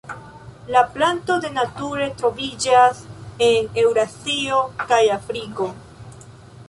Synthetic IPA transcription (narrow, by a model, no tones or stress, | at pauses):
laplanto̞de̞natuɾe̞tɾo̞vid͡ʒase̞ne̞wɾasio̞kajafɾiko̞